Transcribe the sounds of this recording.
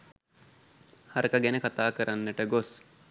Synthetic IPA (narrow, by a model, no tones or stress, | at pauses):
haɾəkəɡɛnəkat̪aːkəɾʔanːəʈəɡos